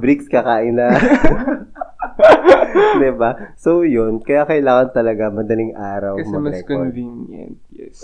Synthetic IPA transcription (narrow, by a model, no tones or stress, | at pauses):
bɾikskɐkaːʔɪnɐ | d̪ɪbasojonkɐjakɐɪlaːŋɐnt̪ɐlɐɡamɐd̪ɐliŋʔaːɾɐwɐmɛɐmɐsɛkovinjɐ̰nt̪̚jɛs